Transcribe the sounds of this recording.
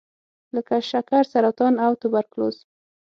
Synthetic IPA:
ləkaʃakaɾsaɾɑt̪ɑnawt̪ʊbaɾklo̰z

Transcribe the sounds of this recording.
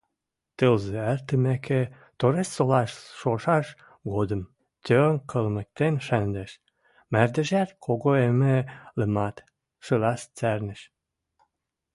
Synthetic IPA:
t̪əlzeært̪əmekʰe | t̪oɾessolɑʃʃoʃɑʃ | ɣod̪əm | t̪ønkʰəlmə̆k̚t̪enʃænd̪eʃ | mærd̪ə̆ʒæt̪kʰoɣoemĕlə̆mɑt̪ | ʃə̆lɑʃt͡særnə̆ʃ

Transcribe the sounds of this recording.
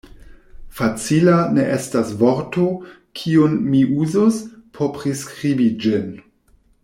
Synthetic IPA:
fat͡silaneʔestasvoɾto | kʰionmiʔuzospʰopʁiskɾibid͡ʒin

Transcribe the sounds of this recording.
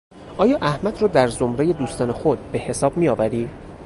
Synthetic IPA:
ʔɒːjɒːʔæhmæd̪rɒːd̪æɾzomɾeje̞d̪uːst̪ɒːne̞xod̪̚be̞he̞sɒːb̚mijɒːvæɾiː

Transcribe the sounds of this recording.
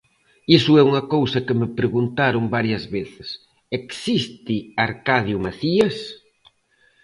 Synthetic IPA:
isʊɛuŋɐkowsɐkɪmɪpɾeɣunt̪aɾʊmbaɾjɐzβeθɪ̥s | eksist̪ɪaɾkaðjʊmaθiɐs

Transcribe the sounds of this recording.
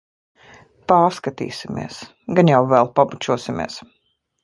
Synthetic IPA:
paːɾskat̪ḭːsimḭɛs | ɡanjawvɛlˠpabut͡ʃuɔsimḭɛs

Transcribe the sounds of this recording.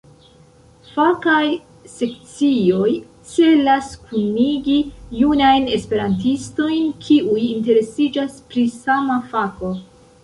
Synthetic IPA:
fakaj | se̞k̚t͡sio̞j | t͡se̞laskuniɡijunajne̞spe̞ɾantisto̞jnkʰiʔujinte̞ɾe̞sid͡ʒaspɾisamafako̞

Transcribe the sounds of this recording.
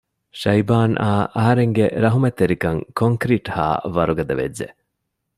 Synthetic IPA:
ʃɐjbaːnʔaːʔɐɦɐɾeŋɡeɾɐɦumet̪ːeɾikɐŋkoŋkɾiːʈha̰ːʋɐɾuɡɐd̪ɐʋḛd͡ʒːḛ

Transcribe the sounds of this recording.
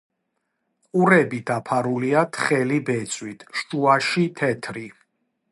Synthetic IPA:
qʼuɾɛbid̪apʰaɾuliat̪ʰχɛlibɛt̪sʼwit̪ʰʃtʼuaʃit̪ʰɛt̪ʰɾi

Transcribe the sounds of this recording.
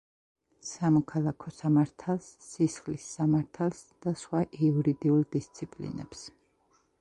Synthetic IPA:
samɔkʰalˠakʰɔsamaɾt̪ʰalˠsːisχlisːamaɾt̪ʰalˠsd̪̥asχwaʔiuɾid̪iulˠd̪ist̪sʰipʼlḭnɛ̰ps

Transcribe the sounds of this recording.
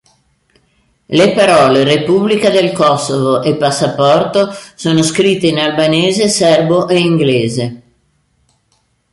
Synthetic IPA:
lepaɾɔːlerepublikad̪elkɔsːovoʔepːasːapɔrt̪osoːnoskɾit̪ːeinalbaneːzesɛrboʔeiŋɡleːze

